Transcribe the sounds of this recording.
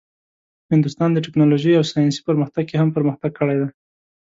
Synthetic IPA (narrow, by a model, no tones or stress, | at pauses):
hɪnd̪ʊst̪ɑnd̪əʈɪknɑloʒəjawsɑjɑnsi̥pəɾməxt̪aɡkehampəɾməxt̪aɡ̚kəɽajd̪aj